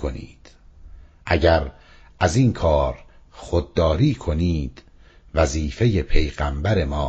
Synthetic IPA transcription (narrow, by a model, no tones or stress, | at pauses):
onḭːd̪̥ | ʔæɟæɾ | ʔæziːŋkʰɒːɾxod̪̚ːɒːɾiːkʰoniːd̪̥ | væziːfe̞je̞pʰe̞jɣæmbæɾe̞mɒː